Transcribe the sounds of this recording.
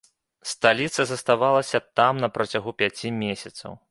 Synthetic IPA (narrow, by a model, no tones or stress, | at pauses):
st̪alʲit̪sɐzɐst̪avalˠɐsʲɐt̪amnɐpɾɐt͡sʲaɣupʲat͡sʲimʲesʲɐt̪sɐ̰w